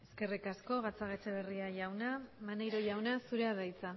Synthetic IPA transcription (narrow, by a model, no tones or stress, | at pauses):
e̞ske̞rikasko̞ɣat͡saɣet͡seβeriaʝawnamanajɾo̞ʝawnasuɾeaðajt͡sa